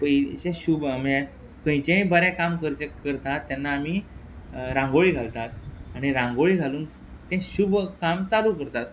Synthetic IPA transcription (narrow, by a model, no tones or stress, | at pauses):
pəjɕẽɕuːbamɛ | kə̃jt͡ɕẽjbəɾɛ̃kamkəɾt͡ɕekəɾt̪at̪ːjanːaːmiː | ɾãŋɡoɭiːɡʱalt̪at̪aɽ̃iɾãŋɡoɭiːɡʱaluːn | t̪ẽɕuːbʱkamt͡saɾuːkəɾt̪at̪̚